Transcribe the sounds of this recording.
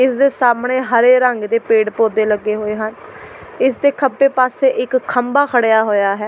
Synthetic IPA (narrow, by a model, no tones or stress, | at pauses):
ɪsd̪eːsaːmɳeːɦəɾeːɾəŋɡd̪eːpeːɖpoːd̪eːləɡːeːɦoːeːɦənɪsd̪eːkʰəbeːpaːseːʔɪkʰːəmbaːkʰəɽejaːɦoːjaːɦɛː